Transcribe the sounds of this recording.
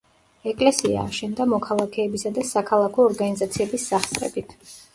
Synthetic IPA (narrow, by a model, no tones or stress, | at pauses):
ɛkʼlɛsia̰ːʃɛnd̪amɔkʰalˠakʰɛːbisad̪asakʰalˠakʰɔːɾɡanizat̪sʰiɛbisːaχt̪sʼɾʼɛ̰bit̪ʰ